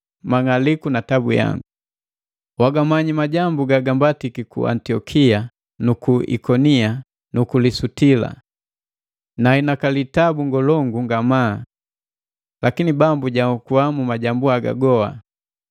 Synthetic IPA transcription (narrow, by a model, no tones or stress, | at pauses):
maŋalikunatabṵja̰ŋɡu | waɡamaɲimaɟambuɡaɡambatikikṵʔa̰ntiɔkʰia | nukuḭkɔnia | nukulisutila̰ | nahinakalitabuŋɡɔlɔŋɡuŋɡamaː | lakinibambuɟakuwamumaɟambuaɡa̰ɡɔha̰